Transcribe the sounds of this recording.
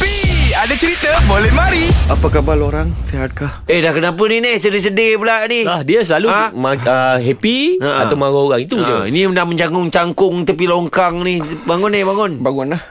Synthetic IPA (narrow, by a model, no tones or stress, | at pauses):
piadat͡ʃəɾit̪əbolɛhmaɾiapakabaloɾaŋseɦat̪̚kahehdahkənapəninihsədes̬ədepəlaʔnilahdiasəlaluamaəɦɛpiaa̰t̪awmaɣooɣaŋit̪ud͡ʒəinindahməɲd͡ʒaŋʊŋt͡ʃaŋkʊŋt̪əp̬iloŋkaŋnihbaŋʊnibaŋʊnbaŋʊnah